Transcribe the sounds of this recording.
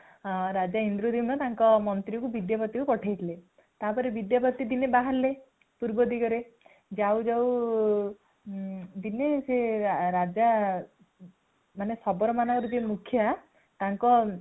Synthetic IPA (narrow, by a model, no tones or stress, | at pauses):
ɾad͡ʒaɦind̪ɾud̪imɔt̪aŋkɔmɔnt̪ɾikubid̪japɔt̪ikupɔʈʰajt̪ʰile | t̪apɔɾebid̪japɔt̪id̪inebaɦaɾle | puɾbɔd̪iɡɔɾe | d͡ʒawd͡ʒaw | d̪ineseɾad͡ʒa | manesɔbɔɾɔmanɔŋkɔɾud͡ʒemukʰjɔa | t̪aŋkɔ